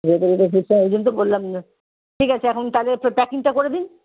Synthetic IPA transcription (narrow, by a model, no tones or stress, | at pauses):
set̪oɾeʈofiʈsoed͡ʑont̪̬obolːam | ʈʰikat͡ɕʰeɛkʰont̪aleppɛkiŋʈakoɾed̪in